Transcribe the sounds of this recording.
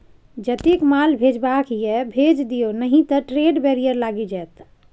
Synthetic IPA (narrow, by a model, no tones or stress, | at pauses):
d͡ʒət̪ekmalbʱed͡ʒbakjɛbʱed͡ʒd̪ijonəɦĩt̪əʈɾeɖbeɾijəɾlaɡid͡ʒɛt̪